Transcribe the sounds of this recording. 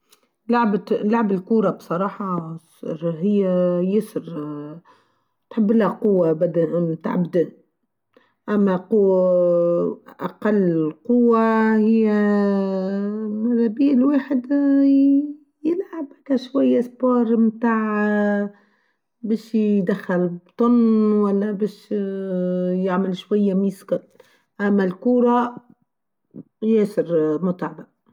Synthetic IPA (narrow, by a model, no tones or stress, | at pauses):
lʊʕblʊʕbɪlkuːɾˤɑbsˤɑɾˤɑːħɑsɾhɪjːajɪsɾ | t̪ħɪbːɪlhaqʊwːabad̪at̪a̰ʕbd̪ɪn | ʔamːaqʊ | ʔaqɑlːqʊwːahɪjːa | mɪɾˤːabiːlweːħɪd̪ | jɪlʕabhakæʃwajːaspoːɾˤmt̪aːʕ | beːʃd̪axːalbt̪ˤʊnːwælːæbeːʃ | jɪʕmɪlʃwajːamiːskɑt̪ | ʔæmːælkuːɾˤɑ | jæːsɪɾmʊt̪ˤʕaba